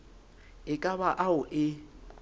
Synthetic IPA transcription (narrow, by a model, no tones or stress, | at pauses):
ɪkʼaβaʔaʊʔɪ